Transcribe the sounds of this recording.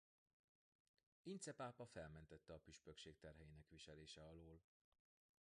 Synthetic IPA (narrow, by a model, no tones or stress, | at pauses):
int̪sɛpaːpɒfɛlmɛnt̪ɛt̪ːɛɒpyʃpø̞kʃeːkt̪ɛrɦɛjinɛkʋiʃɛleːʃɛɒloːl